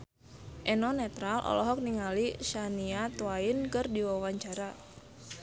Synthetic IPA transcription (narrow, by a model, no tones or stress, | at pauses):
ʔɛnɔnɛt̪ɾalʔɔ̰lɔɦɔk̚niŋaliʃaniat̪uaɪnkɨrdiwawaɲt͡ʃaɾa